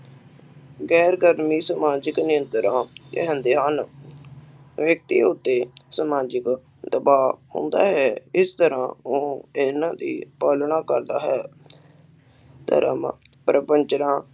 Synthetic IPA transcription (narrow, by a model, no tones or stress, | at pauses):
ɡɛːɾɡəɾmiːsəmaːd͡ʒəknɪə̃nt̪ɾãːd͡ʒḛɦə̃nd̪eɦaːn | ʋjək̚t̪ḭːʊt̪ːeːsəmaːd͡ʒək | d̪əbaːɦõ̰nd̪a̰ːɦɛːɪst̪əɾãːoːɪnãːd̪ḭːpaːlɳãːkəɾd̪aːɦɛː | t̪ə̰ɾə̰m̰ːpɾəpəɲt͡ʃɾãː